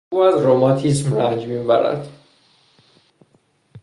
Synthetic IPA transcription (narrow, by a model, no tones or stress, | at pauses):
uːæzɾomɒːt̪ʰismɾænd͡ʒmiːbæɾæ̰d̪̥